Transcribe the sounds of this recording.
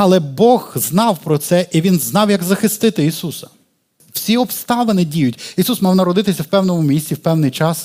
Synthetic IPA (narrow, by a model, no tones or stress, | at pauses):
ɐlˠɛbɔɣznɑwpɾɔt̪sɛʔiʋʲinznɑwjɐɡzɐxɪst̪ɪt̪ɪisusɐ̥ | w̥sʲiɔpst̪ɑʋɐnɪdʲijʊtʲisusmɑwnɐɾɔd̪ɪt̪ɪsʲɐwpɛwnɔmʊmʲisʲtʲiwpɛwnɪjt͡ʃɑs